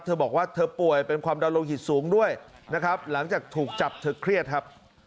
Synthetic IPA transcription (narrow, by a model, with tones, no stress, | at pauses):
t̪ʰɤː˧bɔː˨˩k̚waː˥˩t̪ʰɤː˧pu˨˩əjpe˧nkʰwaː˧mda˧wloː˧ŋhi˨˩t̪̚suː˩˦ŋdu˥˩əj | na˦˥kʰɾa˦˥p̚la˩˦ŋt͡ɕaː˨˩k̚t̪ʰuː˨˩k̚t͡ɕa˨˩p̚t̪ʰɤː˧kʰɾi˥˩ət̪̚kʰa˦˥p̚